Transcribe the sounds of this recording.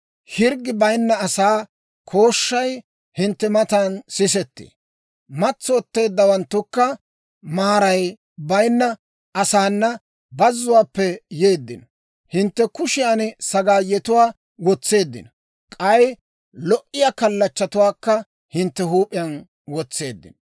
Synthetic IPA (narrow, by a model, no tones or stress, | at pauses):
hɪɾɡɪbɐjnːɐːsaː | kʰo̞ːʃːɐj | hɪnt̪ːɛmɐt̪ansɪs̬ɛt̪ːḛː | mɐt͡sːɔːt̪ːe̞ːd̪ːɐwɐnt̪ːʊkːɐ | maːɾɐj | bɐjnːɐ | ʔɐsaːnːɐ | bɐzːʊwaːpːɛjeːd̪ːɪ̰nɔ | hɪnt̪ːɛkʊʃɪjansɐɡaːjɛt̪ʊwaː | wɔt͡sːe̞ːd̪ːɪ̰nɔ | kʼɐj | lɔʔɪjaːkɐlːɐt͡ʃːɐt̪ʊwaːkːɐ | hɪnt̪ːɛɦuːpʼɪjɐn | wɔt͡sːe̞ːd̪ːɪ̰nɔ